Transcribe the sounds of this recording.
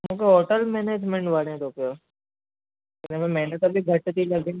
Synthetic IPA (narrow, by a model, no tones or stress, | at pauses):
mũːkʰeɔːʈəlmeːneːd͡ʒmẽɳʈʋaːɽẽɾoːkjoː | kɪnemẽmɛɦnət̪bʱiɡʱɐʈt̪ilɐɡɪ